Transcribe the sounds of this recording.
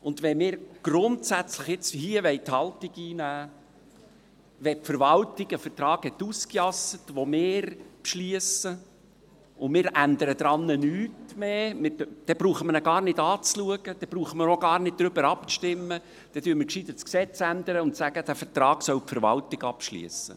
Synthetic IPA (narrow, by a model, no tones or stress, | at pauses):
ʊnd̪ʋɛmɪːɾɡ̥ɾʊntsæt͡sləχjɪt͡shiəʋɛɪt̪hɑltiɡiːnæː | ʋɛpfəɾʋɑltɪɡəfətrɑːɡ̥hɛt̪ːuskjɑsət̪ʋomɪːɾpʃliəsə | ʊmɪːɾʔænd̪əɾəd̪ɾɑnːənyːtmemɪd̥ɛb̥ɾuːχəmənɛɡɑːrnɪd̪ɑːt͡sluəɡ̥əd̥̪ɛb̥ɾuːχəməɾoɡɑːɾnɪd̚d̥̪ɾʏbəɾɑpʃtɪmːə | d̥ɛdyːmɪɾkʃid̪ətsksɛt͡sænd̪əɾəʊntsæɡəd̥̪æfəɾtɾɑːɡsœwpfəɾʋɑ̰ltɪɡɑpʃlḭəsə̰